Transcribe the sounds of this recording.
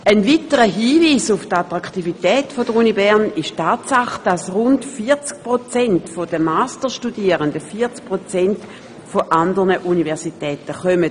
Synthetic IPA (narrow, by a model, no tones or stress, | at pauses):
ʔənvitəʁəɦiːviːsuftatʁaktivitɛːtfod̥əʁunibɛʁnɪʃtaːtsaχd̥asʁʊntfiɐt͡sk̚pʁot͡sɛntfod̥əmaːstəʃtudiəʁəndəfiːɐt͡sk̚pʁot͡sɛnt | foʔandəʁnəʔunivɛɐsitɛːtəχœmə